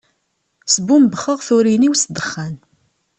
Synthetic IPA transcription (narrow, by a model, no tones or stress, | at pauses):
səbumbəχəʁθuɾiniwsd̪əχːæn